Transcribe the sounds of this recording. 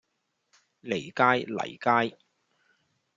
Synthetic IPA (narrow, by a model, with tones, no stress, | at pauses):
le˨˩jkaː˥jlɐ̰˨˩jkaː˥j